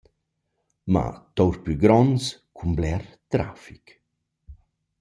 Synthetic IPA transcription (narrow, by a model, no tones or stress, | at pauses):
ma̰t̪ɔwɾpyɡɾɔnskʰumblɛɾt̪ɾafik